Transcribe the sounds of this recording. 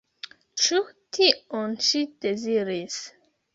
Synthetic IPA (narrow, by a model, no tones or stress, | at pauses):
t͡ʃutʰiɔ̃nʃid̥eziɾis